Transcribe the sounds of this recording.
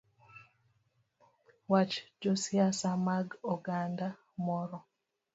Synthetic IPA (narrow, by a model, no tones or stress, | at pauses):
wat͡ʃd͡ʒosiasamaɡɔɡanda | mɔɾɔ